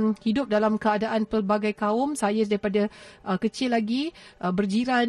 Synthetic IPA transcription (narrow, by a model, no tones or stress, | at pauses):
hidʊp̚dalamkəadaʔanpərbaɡajkaʊmsajadaɾipadaʔəkət͡ʃɪlːaɡiʔəbərd͡ʒiɾa